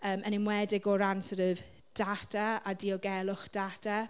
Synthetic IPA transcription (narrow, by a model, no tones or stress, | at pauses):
əːmʔənɪmwɛdɪɡɔɾansəɾv | d̥atʰaadiːɔɡɛlˠʊχd̥atʰa